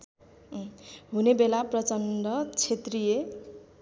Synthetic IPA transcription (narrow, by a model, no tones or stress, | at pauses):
ɦunebelaprʌt͡sʌnɖʌt͡sʰet̪rije